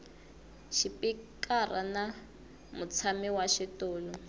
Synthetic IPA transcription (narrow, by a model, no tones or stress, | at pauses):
ʃipikara̰na | mʊt͡sʰamiwaʃitɔːlɔ